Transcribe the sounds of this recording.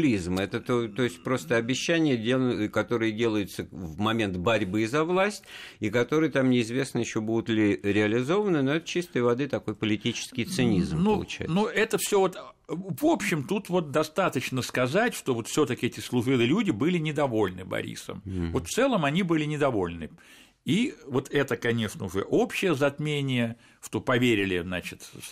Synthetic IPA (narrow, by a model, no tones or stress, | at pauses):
lʲizmɛt̪ət̪ot̪o̞ɪsʲt̚ʲpɾo̞st̪əɐbʲɪɕːænʲɪjədʲekɐt̪o̞ɾɨjədʲe̞lˠəjʊt̪səvmɐmʲe̞nt̪bɐɾʲbɨzɐvlˠasʲtʲɪkɐt̪o̞ɾɨjət̪amnʲɪɪzvʲe̞snəjɪɕːo̞bud̪ʊt̪lʲɪɾʲɪɐlʲɪzo̞vənɨno̞ɛt̪ə̥t͡ɕist̪ɨjvɐd̪ɨt̪ɐko̞jpəlʲɪtʲit͡ɕɪ̥skʲɪjt̪sɨnʲḭzmnulˠʊ̰t͡ɕɛ̰jnuɛt̪əfsʲovot̪ | vo̞pɕːɪmt̪ut̪vo̞t̪̚d̪ɐst̪at̪ət͡ɕnəskɐzatʲʂt̪o̞vo̞t̪fsʲot̪əkʲɪɛtʲɪslˠʊʐɨlˠɨlʲudʲɪbɨlʲɪnʲɪd̪ɐvo̞lʲnɨbɐ̰ɾʲḭsə̰mvo̞t̪ft̪sɛlˠəmɐnʲibɨlʲɪnʲɪd̪ɐvo̞lʲnɨ | ivo̞t̪ʰɛt̪əkɐnʲe̞ʂnəʊʐɛ̰ʔo̞pɕːɪjəzɐt̪mʲenʲɪjə | ʂt̪o̞pɐvʲeɾʲɪlʲɪznat͡ɕɪt̪